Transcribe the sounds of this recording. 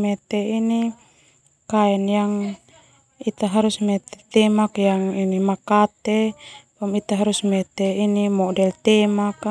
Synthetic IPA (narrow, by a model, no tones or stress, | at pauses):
mɛt̪ɛini | kaɛnjaŋ | it̪aɦaɾusmɛt̪ɛ̥t̪ɛmakjaŋinimakat̪ɛpɔmit̪aɦaɾusmɛt̪ɛinimɔdɛlt̪ɛmak